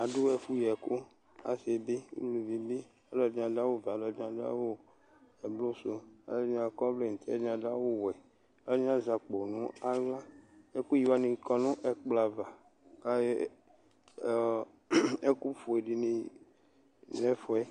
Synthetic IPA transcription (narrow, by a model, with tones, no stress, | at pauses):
a˨du˦ɛ˦˨fu˦jɛ˨ko˦ | a̰˨se˨bi˦wṵ˦lu˨vi˨bi˦ | a˨˦lɔ˨d͡ʒã˨da˦wo˦˨va˨lɔ˨dã˨da̰˦wo˦ | ɛ˨blo˦so˦a̰˨lã˨kɔ˦vle˦˨n̩˨t̪ɛ˦ã˨da˦wo˦wɛ˨ | a˦lã˦za˨k͡po˨nũ˦a˦ɡla˦e˦ku˦ji˨wa˦nĩ˨kɔ˨nũ˦ʔɛ˨k͡pla˨va˨ | ka˦ | e˦ku˦fo˨e˨ɖi˨nĩ˨ | nɛ˦fɔ˨ɛ˦